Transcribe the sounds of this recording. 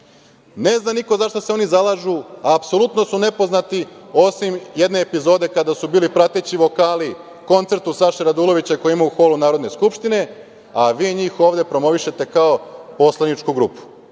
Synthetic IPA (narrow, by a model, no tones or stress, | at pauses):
ne̞znamnikozaʃt̪oseo̞nizalˠaːʒuaːpso̞lut̪no̞sune̞poznat̪io̞simje̞d̪ne̞ːpizo̞ːd̪e̞kad̪asubiːlipɾat̪et͡ɕiʋo̞kaːli | ko̞nt̪e̞ɾt̪usaʃeɾad̪ulˠo̞ʋit͡ɕako̞jimauxo̞lˠunaːɾod̪ne̞skupʃt̪ine̞ | aʋiːɲiːxo̞ːʋd̪e̞pɾo̞mo̞ʋiʃe̞t̪e̞kaopo̞slˠanit͡ʃkuɡɾṵːpu̥